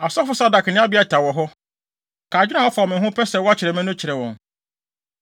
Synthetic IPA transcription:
a˨sɔ˦fʊ˦sa˦da˨kʰnɪ̃˦a˦bi˦a˦tʰa˨wɔ˨ɦɔ˦ | kʰaː˨d͡ʑᶣnã˨wɔ˦fa˨ɔ˨mɪ̃˨ɦʊ̃˦pʰɛ˦sɛ˨wɔ˦a˦t͡ɕʰɪ˨ɾɛ˨mɛ̃˦nʊ̃˦t͡ɕʰɪ˨ɾɛ˨wɔ̰̃˨n

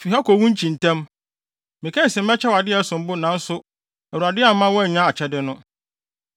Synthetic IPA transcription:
fi˨ɦa˦kɔ˨wũ˦ɲ̩˦t͡ɕʰĩ˨n˨tʰɛ̃˦m | mɪ̃˨kʰɛ̃˦˨sɪ̃˨m̩˦ɛ˦t͡ɕʰɛ˦wa˨dɪ˦ɛ˦sʊ̃˨m˦bʊ˦nã˨n̩˦sʊ˦ | ɛ˨u˨a˨dɪ˦a˨m˦mã˦wɔ˦ɛ˨ɲᶣã˦a˨t͡ɕʰɛ˦dɪ˦nʊ̃˦

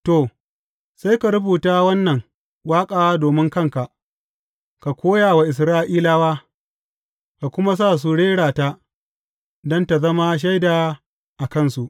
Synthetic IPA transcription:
to˨ | sa˦jka˨ɾʊ˦buː˨taː˦wɐ˦nːɐ˨ŋ | waː˦kʼaː˦wa˦doː˨mɪ˦ŋkɐ˦ŋka˨ʔ | ka˨kʷoː˦jaː˨wa˨ʔɪ˨s̬ɾaː˦ʔiː˦laː˦waː˦ | ka˨kʷʊ˦ma˦s̬aː˦˨s̬u˦ɽeː˦ɽaː˨ta˦ | dɔ˦nta˨zɐ˦ma˦ʃ̬a˦jdaː˨ | ʔa˨kɐ˦˨nsu˨ʔ

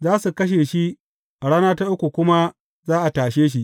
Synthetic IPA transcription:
zaː˦su˨kɐ˦ʃ̬eː˨ʃi˦ʔ | ɽaː˦naː˦ta˦ʔʊ˦kʷu˨kʷʊ˦ma˦ | zaː˦ʔa˨taː˨ʃeː˦ʃ̬i˦ʔ

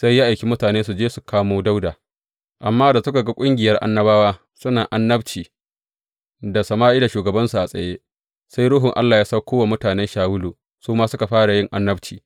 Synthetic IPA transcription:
sa˦jːa˦ʔa˨jkʲi˦mʊ˦taː˨neː˦su˨d͡ʒeː˦su˨kʰaː˦moː˦da˦wdaː˨ | ʔa˨mːaː˦da˨sʊ˦ka˨ɡa˦kʷʼʊ˦ŋɡʲɪ˨jɐ˦rʔa̰˦nːɐ˦baː˦waː˦ | sʊ˦naː˨ʔa˦nːɐ˦bt͡ʃiː˨ | da˨sɐ˨maː˦ʔi˦da˨ʃuː˨ɡɐ˨bɐ˦nsu˨ʔa˨sʼɐ̰˨jeː˦ | sa˦jɽʊ˦ɦʊ˨ŋʔa̰˦lːaː˨jaː˦sa˦kʰʷoː˦wa˨mʊ˦taː˨nɛ˦nʃaː˨wʊ˦luː˨ | suː˦maː˦sʊ˦ka˨ɸaː˦ɽa˨jɪ˦ŋʔa˦nːɐ˦bt͡ʃiː˨

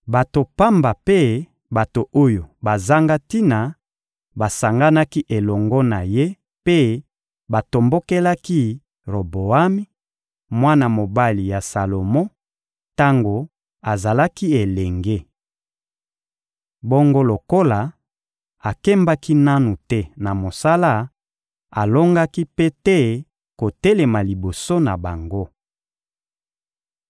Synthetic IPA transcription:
ba˨to˨pa˦mba˨pe˦ | ba˨to˨ʔo˦jo˨ba˨za˦ŋɡa˦ti˦na˨ | ba˨sa˨ŋɡa˦na˦ki˦ʔe˨lɔ˨ŋɡɔ˦na˨je˦ | pe˦ | ba˨to˨mbo˦ke˦la˦ki˦ | ʁo˨bo˨a˦mi˦ | mwa˦na˨mo˨ba˦li˨ja˨sa˨lo˨mɔ̃˦ | ta˦ŋɡo˨ | a˨za˨la˦ki˦e˨lɛ˨ŋɡe˦ | bo˦ŋɡo˦lo˨ko˦la˨ | a˨kɛ˦mba˦ki˦na˦nu˨tɛ˦na˨mo˨sa˦la˦˨ | a˨lo˦ŋɡa˦ki˦pe˦tɛ˦ | ko˨tɛ˦le˨ma˨li˨bo˨so˦na˨ba˨ŋɡo˦

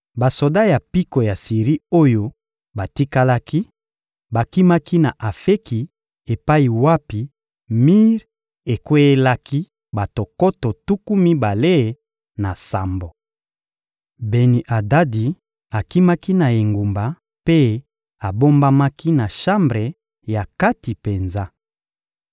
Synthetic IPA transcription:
ba˨so˨da˦ja˨pi˦ko˨ja˨si˨ʁi˦o˦jo˦ | ba˨ti˦ka˦la˦ki˦ | ba˨ki˦ma˦ki˦na˨ʔa˨fe˦ki˨ | e˨pa˦i˨wa˦pi˨ | mi˦ʁ | e˨kwe˦e˦la˦ki˦ | ba˨to˨ko˦to˨tu˦ku˦mi˦ba˨le˦˨ | na˨sa˨mbo˨ | be˨ni˨ʔa˨da˦di˨ | a˨ki˦ma˦ki˦na˨e˨ŋɡu˨mba˨ | pe˦ | a˨bo˦mba˦ma˦ki˦na˨ʃa˦mbʁe˨ | ja˨ka˦ti˨pe˨nza˦

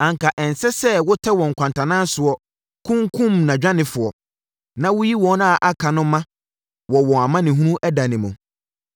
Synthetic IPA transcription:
ã˨ŋka˨ʔɛ˨n˨sɛ˦sɛ˦wʊ˦tʰɛ˦wɔ̃˨ŋ̩˨kʷʰã˨ntʰã˨nã˦n˦sʊ˨ɔ˨ | kʰʊ̃˦ŋ˦kʰũ˦mnã˨d͡ʑᶣã˦nɪ̃˨fʊ˨ɔ˨ | nã˦wʊ˦ji˦wɔ̃˨˦na˦˨ʔa˦kʰa˨nʊ̃˦mã˦ | wɔ˨wɔ̃˨a˨mã˦nɪ̃˨ɦũ˦nũ˦ʔɛ˦da˨nɪ̃˨mʊ̃˨

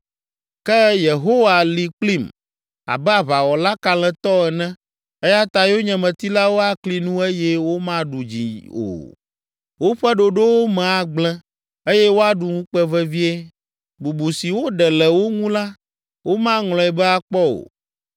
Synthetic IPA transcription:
kɛ˦je˨ɦo˦wa˨li˨k͡pli˦˨m | a̰˨bɛ˦a˨βa˨wɔ˨la˦ka˨lɛ̃˨t̪ɔ˦ɛ˨nɛ̃˦ | e˦ja˦t̪a˨jo˦ɲɛ̃˨mɛ̃˨t̪i˦la˦wo˦a˦kli˨nũ˦e˦jɛ˦wo˦mã˦ɖu˨d͡ʑḭ˨o̰˨ | wo˦ɸɛ˦ɖo˨ɖo˦wo˦mɛ̃˨a˨ɡ͡blɛ̃˦ | e˦jɛ˦wo˦a˦ɖu˨ŋũ˦k͡pɛ˦vɛ˦vi˦e˦ | bu˨bu˨si˨wo˦ɖɛ˨lɛ˨wo˦ŋũ˦la˦ | wo˦mã˦ŋlɔ̃˨ɛ˨bɛ˦a˨k͡pɔ˦o̰˨

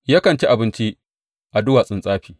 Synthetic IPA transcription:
jaː˦kɐ˨nt͡ʃi˦ʔa˨bɪ˦nt͡ʃi˦ | ʔa˨dʊ˦waː˨sʼɪ˦˨nsʼaː˦ɸiː˨

